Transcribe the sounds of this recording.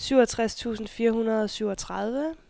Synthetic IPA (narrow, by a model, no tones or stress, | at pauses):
syʊɒt͡sʰʁast͡sʰṵːsn̩fiːɐɦunɐð̞ˠɒ̽syʊ̰ɒ̽t͡sʰʁɑð̞ˠʋə